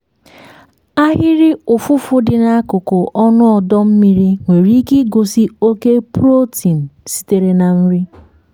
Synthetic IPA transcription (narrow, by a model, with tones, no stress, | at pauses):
a˦ɦɪ˦ɾɪ˦ʊ˨fʊ˦fʊ˦dɪ˨na˦a˦kʊ˨kʊ˨ʔɔ˦nʊ˦ɔ˨dɔ˦m̩˦mi˦ɾi˦ŋʷe˨ɾi˦ki˦ɡo˨si˦o˦ke˦pɾo˦ti˨n̩˨si̥˦te˨ɾe˦na˨m̩˦ɾi˦